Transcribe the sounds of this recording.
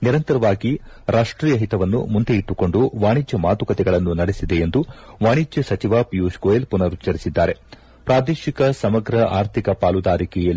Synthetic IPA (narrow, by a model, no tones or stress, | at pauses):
niɾɐnt̪ɐɾɐʋaːɡi | ɾʔaːʂʈɾiːjɐɦit̪ɐʋɐnːṵmund̪eiʈːuko̞ɳɖuʋaːɳ̃id͡ʒjɐmaːt̪ukɐt̪ɛɡɐɭɐnːunɐɽesid̪e̞end̪uʋaːɳid͡ʒjɐsɐt͡ʃiʋaːpijuskoelpunɐɾut͡ʃːɐɾisid̪ːaːɾe̞ | pɾaːd̪eːʃikɐsɐmɐɡɾɐaːɾt̪ʰikɐpaːlud̪aːɾikɛjɐl